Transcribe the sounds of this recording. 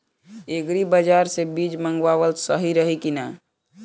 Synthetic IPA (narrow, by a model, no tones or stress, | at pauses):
eɡɾibəd͡ʒaɾsebid͡ʒməŋɡwabəlsəɦiɾəɦikina